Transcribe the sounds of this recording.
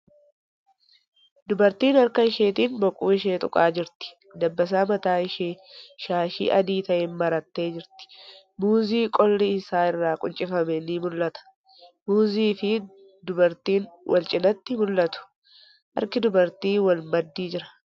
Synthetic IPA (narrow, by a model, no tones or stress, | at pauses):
d̪ʊbɐɾt̪iːnɐɾkɐɪʃe̞ːt̪iːnbɔkʼṵːɪʃe̞ːt̪ʼʊkʼaːd͡ʒɪɾt̪ɪ̥ | d̪ɐbːɐs̬aːmɐt̪aːɪʃeːʃaːʃḭːʔɐd̪iːt̪ɐʔeːnmɐɾɐt̪ːe̞ːd͡ʒɪɾt̪ɪ̥ | muːziːkʼɔlːiɪsaːɪrːaːkʼʊnt͡ʃʼɪfɐmɛniːmʊlːɐt̪ɐ̥ | muːziːfɪ | d̪ʊbɐɾt̪iːnwʔɐlt͡ʃʼɪnɐt̪ːɪmʊlːɐt̪ʊ̥ | ʔɐ̰ɾkɪd̪ʊbɐɾt̪iːwɐlmɐd̪ːiːd͡ʒɪɾɐ̥